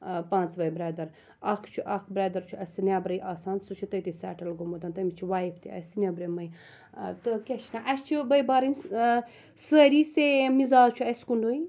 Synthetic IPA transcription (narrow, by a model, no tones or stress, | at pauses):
pãːnt͡sʋɐjbɾeːd̪ɐɾ | ɐkʰt͡ʃʰuʔɐkʰbɾeːd̪ɐɾt͡ʃʰuɐsnʲaːbɾɐjʔaːsaːnsut͡ʃʰut̪ɐjt̪isɛ̰ːʈɐlɡomut̪ɐnt̪ɐmit͡ʃʰuʋaːjipʰt̪ʰiɐ̰snʲɐbɾɐmɐj | t̪ɨkʲeʃnaʔɐst͡ʃʰubɐjbaːɾɐnʲ | səːɾisemizaːzt͡ʃʰuɐskuɳɖoːi